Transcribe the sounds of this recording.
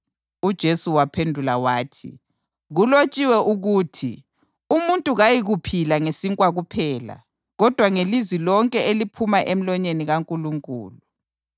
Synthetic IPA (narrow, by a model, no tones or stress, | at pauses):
ud̥ʒ̥ʱesuwapʰendʱulawaːtʰḭ | ɣulot͡ʃʼiwɛʔuɣuːtʰḭ | umuntʼuɣajiɣupʰilaŋesiŋkʼwaɣupʰɛːla̰ | ɣɔd̥ʱwaŋelizwilɔŋkʼɛelipʰumaʔem̩lɔɲeniɣaŋkʼuluŋkʼṵːlu